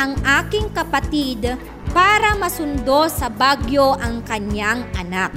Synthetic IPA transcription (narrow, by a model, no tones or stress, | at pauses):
ɐŋʔaːkɪŋkɐpɐt̪id̪ | paːɾɐmɐsʊnd̪o̞sɐbaɡjoʔɐŋkɐɲaŋʔɐnak̚